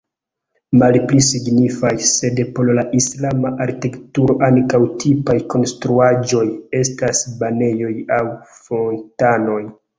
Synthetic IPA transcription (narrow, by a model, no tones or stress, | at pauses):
malplisiɡnifajse̞depo̞llaʔislamaʔaɾkiektuɾo̞ʔankawtʰipajko̞nstɾuad͡ʒo̞je̞stasbane̞jo̞jawfo̞ntano̞j